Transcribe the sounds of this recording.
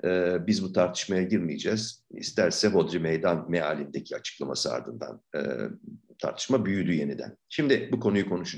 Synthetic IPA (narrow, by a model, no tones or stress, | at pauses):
ɛːbizbut̪ʰaɾt̪ʰɯ̥ʃmajaɟiɾmijed͡ʒɛz̥ḭst̪ʰæɾsɛɦo̞d̪ɾimejd̪anmealʲind̪e̞cʰiat͡ʃʰɯ̥klˠama̰sɯa̰ɾd̪ɯnd̪a̰n̰ː | t̪ʰa̰ɾt̪ʰɯ̥ʃmabyjyd̪yje̞nid̪æ̰nʃimd̪ɪbukʰo̞nujukʰo̞nuʃu